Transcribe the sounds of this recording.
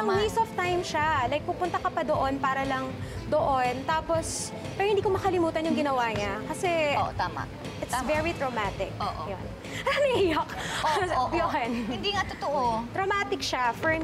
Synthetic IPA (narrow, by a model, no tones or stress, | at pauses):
ʔɐŋmisɔft̪ajmʃalajk̚pʊpʊnt̪ɐkɐpɐd̪oʔonpaːɾɐlɐŋd̪oʔont̪aːpos | pɛɾohɪnd̪iːkomɐkɐlɪmuːt̪ɐnjʊŋɡɪnɐwaːɲakɐsɛt̪ama̰ | ʔɪt̪svɛɹit̪ɾomaːt̪ɪk̚oʔjon | ɐnɐɪjok | joʔnɪnd̪iŋat̪ʊt̪oʔot̪ɾomaːt̪ɪkʃafɔɹ